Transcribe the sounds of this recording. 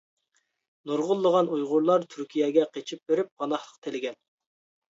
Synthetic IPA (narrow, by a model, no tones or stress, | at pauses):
noɾʁʊlˠːəʁɑnujʁʊɾlˠɑɾt̪ʰyɾkʲijɛɡʲɛqʰet͡ʃʰip̚beɾɪp̚qɑnɑχlˠəq̚t̪ʰelɪɡʲɛn